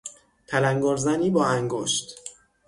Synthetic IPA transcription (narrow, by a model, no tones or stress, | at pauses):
p̪ʰælæŋɡoɾzæniːbɒːæŋɡoʃt̪